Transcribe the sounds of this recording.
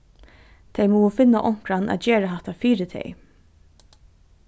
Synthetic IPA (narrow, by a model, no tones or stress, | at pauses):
t̪ʰɛjmɔːwəfɪnːaʔɔŋ̥kɾanʔæ̰ːt̪d͡ʒeːɾaɦaht̪afiːɾɪt̪ʰɛ̰j